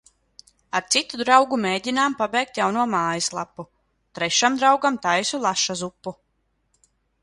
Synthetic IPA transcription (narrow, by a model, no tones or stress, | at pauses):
aɾt̪sit̪ud̪ɾawɡumeːɟʲinaːmpabʲɛjk̚t̪jawnuɔmaːjislˠapːu | t̪ɾɛʃamd̪ɾawɡamt̪ajsulˠaʃazupːu